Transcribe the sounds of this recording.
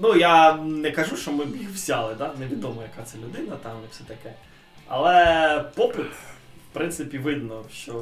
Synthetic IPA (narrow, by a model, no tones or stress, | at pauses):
nujanɛkɐʒuʃt͡ʃɔmɪbjixwsʲalˠɪd̪anɛʋʲid̪ɔmɔjɐkat̪sɛlʲʊd̪ɪnɐt̪ɑmnɛfsʲɛt̪ɐkɛ | ɐ̰lˠɛpɔpɪt̪ | fpɾɪnsɪpʲiʋɪd̪nɔʃt͡ʃɔ